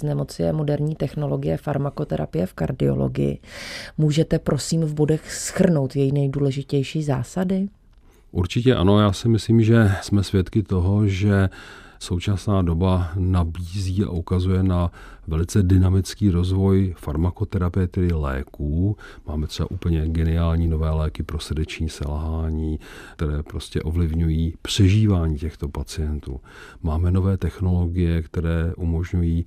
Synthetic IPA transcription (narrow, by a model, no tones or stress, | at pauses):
znɛmo̞t͡sɪjɛ̰mo̞dɛɾɲiːt̪ɛxno̞lo̞ɡɪjɛfaɾmako̞t̪ɛɾa̰pɪjɛfkaɾdɪo̞̰lo̰ɡɪ̰jɪ̰muːʒɛt̪ɛpɾo̞siːmvbo̞dɛxsxr̩no̞wt̪jɛjinɛjduːlɛʒɪcɛjʃiːza̰ːsadɪ | ʔuɾt͡ʃɪcɛʔa̰no̞jaːsɪmɪsliːmʒɛsmɛsvjɛt̪kɪt̪o̞ɦo̞ʒɛso̞wt͡ʃasnaːdo̞banabiːziːa̰ʔukazujɛnavɛlɪt͡sɛdɪnamɪt͡skiːɾo̞zvo̞jfaɾmako̞t̪ɛɾapɪjɛt̪ɛdɪlɛ̰ːkuːmaːmɛt̪r̥ɛba̰ʔupl̩ɲɛɡɛnɪaːlɲiːno̞vɛːlɛːkɪpɾo̞srdɛt͡ʃɲiːsɛ̰lɦaːɲiːt̪ɛɾɛːpɾo̞scɛ̰ʔo̞vlɪvɲujiːpr̝̥ɛʒiːvaːɲiːcɛxt̪o̞pat͡sɪjɛnt̪ṵː | maːmɛno̞vɛːt̪ɛxno̞lo̞ɡɪjɛkt̪ɛɾɛːʔumo̞ʒɲujiː